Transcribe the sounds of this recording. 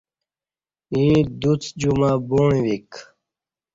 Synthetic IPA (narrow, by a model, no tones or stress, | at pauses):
ĩːd̪ut͡sd͡ʑumaboːɳĩwik